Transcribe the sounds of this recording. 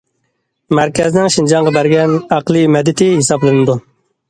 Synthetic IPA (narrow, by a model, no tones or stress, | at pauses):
mæɾkʲʰɛznɪŋʃind͡ʒɑŋʁɑbæɾɡʲɛnɑqlˠɨmɛd̪ːɪt̪ʰɪhisɑblˠɨnɨd̪u